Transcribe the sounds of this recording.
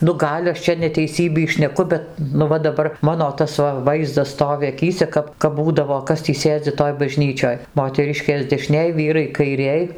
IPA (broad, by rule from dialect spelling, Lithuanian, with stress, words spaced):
nʊ ˈɡɐlʲ ɐʃ ˈt͡ʃʲɛ nʲɛtʲɛɪˈsʲiːbʲiː ʃʲnʲɛˈkʊ ˈbʲɛt nʊ ˈʋɐ dɐˈbɐr ˈmɑːnoː ˈtɐs ʋɐ ˈʋɐɪzdɐs ˈstoːʋʲɪ ɐˈkʲiːsʲɛ ˈkɐp kɐp ˈbuːdɐʋoː ˈkɐs tʲiː ˈsʲeːd͡zʲɪ ˈtoːj bɐˈʒʲnʲiːt͡ʃʲoːj moːtʲɛˈrʲɪʃʲkʲeːs dʲɛˈʃʲnʲeːj ˈʋʲiːrɐɪ kɐɪˈrʲeːj